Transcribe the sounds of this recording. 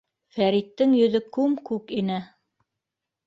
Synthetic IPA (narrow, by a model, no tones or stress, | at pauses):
fæɾit̪ːɘŋjɵ̆ðɵkʉmkʉkinɘ